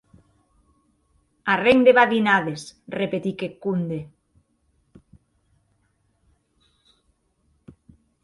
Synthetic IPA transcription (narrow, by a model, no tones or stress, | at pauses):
areŋd̪eβaðinaðesrepet̪ikekund̪e